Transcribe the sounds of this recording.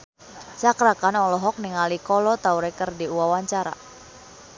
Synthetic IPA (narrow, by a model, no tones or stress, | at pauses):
t͡ʃakɾakanɔlɔɦɔk̚niŋalikɔlɔt̪auɾɛkərdiuawaɲt͡ʃaɾa̰